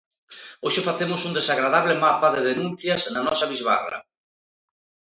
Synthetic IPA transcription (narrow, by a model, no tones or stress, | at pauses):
oʃefaθemʊsund̪esaɣɾaðaβ̞lemapaðeðenũnθjaznanɔsaβizβa̰ra̰